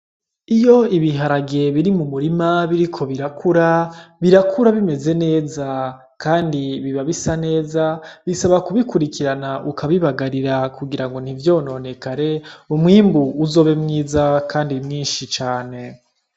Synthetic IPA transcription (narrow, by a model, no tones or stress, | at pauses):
ijo̞iβiɦaɾaɡe̞βiɾimumuɾimaβiɾikʰo̞βiɾakʰuɾaβiɾakʰuɾaβime̞ze̞ne̞ːza | kaːndiβiβaβisane̞ːzaβisaβakuβikuɾikiɾanaʔukaβiβaɡaɾiɾakuɡiɾaŋɡo̞n̥ivjo̞ːno̞ne̞kaɾe̞umŋiːmbuːzo̞ːβe̞mŋiːzakʰaːndimŋiːnʃit͡ʃaːne̞